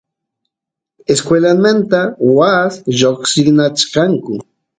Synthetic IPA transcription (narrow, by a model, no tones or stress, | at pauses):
eskwelanmant̪awasʎoχsɪknat͡ʃkɑŋkʊ